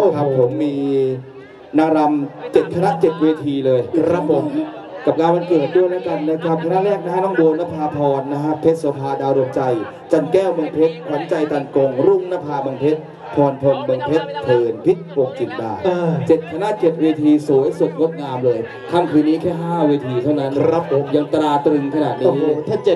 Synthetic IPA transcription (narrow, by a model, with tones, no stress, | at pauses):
o˥˩kʰa˦˩hʰo˩˦mːiː˧ | na˦˥ɾa˧mt͡ɕe˨˩t̪̚kʰa˧na˦˥ʔt͡ɕe˨˩t̪̚weː˧t̪ʰiː˧lɤː˧jkɾa˦˥pːo˨˩˦m | ka˨˩p̚ŋaː˧wa˧nkɤː˨˩t̪̚du˥˩əjlaː˦˥wka˧nːa˦˥kʰa˦˥p̚kʰna˦˥ɾɛː˥˩k̚na˦˥ha˥˩jnɔː˥˩ŋdoː˧nːa˦˥˩pʰaː˧pʰɔː˧nːa˦˥kʰa˦˥pʰe˦˥t̪̚so˩˦pʰaː˧daː˧wɾo˧mt͡ɕa˧j | t͡ɕa˧nkɛː˥˩wmo˧ŋpʰe˦˥t̪̚pʰɾa˨˦mt͡ɕa˧jt̪a˧nko˧ŋɾu˥˩ŋnaː˦˥pʰaː˧ba˧ŋpʰe˦˥t̪̚ | pʰɔː˧npʰo˧ŋba˧ŋpʰe˦˥t̪ʰːɤː˧npʰi˦˥t̪̚po˧˩ŋ̚t͡ɕi˨˩t̪̚daː˧t͡ɕe˨˩t̪̚kʰa˧na˦˥t͡ɕe˨˩t̪̚weː˧t̪ʰiː˧suː˨˩˦jsu˨˩t̪̚ŋo˦˥t̪̚ŋaː˧mlɤː˧j | k̪ʰa˥˩mkʰɯː˧nːiː˦˥kʰɛː˥˩ɦaː˥˩weː˧t̪ʰiː˧t̪ʰa˥˩wna˦˥na˦˥po˧˦mja˧ŋt̪ɾaː˧t̪ɾɯ˧ŋkʰa˧na̰ː˨˩t̪̚ni˧˦˥t̪ʰaː˥˩t͡ɕe˨˩t̪̚